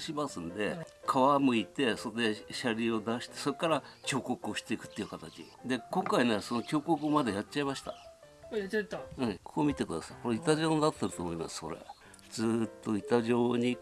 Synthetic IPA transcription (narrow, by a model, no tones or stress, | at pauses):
ɕimasɨnd̪e̞ | kʰaβamɯ̟it̪e̞so̞d̪eɕaɾʲio̞d̪aɕi̥t̪e̞̥so̞ɾkːaɾakʲo̞ːko̞kɯo̞ɕi̥t̪e̞ikɯ̟̥t̪ːeiɯ̟kat̪at͡ɕḭ | d̪e̞kõ̞ŋkaineso̞no̞kʲo̞ːkokɯ̟omad̪ajat͡ɕt͡ɕːaimaɕi̥t̪a̰ | ɯ̟̃kʰoːmʲit̪e̞kɯd̪asaiko̞ɾeit̪aʑo̞ːnnat̪ːe̞ɾɯt̪oːmoima̰sɨ̥ko̞ɾe̞̰ | d͡zɨːt̪ːo̞it̪aʑoːɲ̟i